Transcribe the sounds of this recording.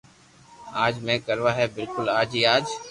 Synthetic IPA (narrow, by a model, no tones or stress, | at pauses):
aːd͡ʒmẽːkəɾʋaːɦɛːbɪlkʊlaːd͡ʒiːaːd͡ʒ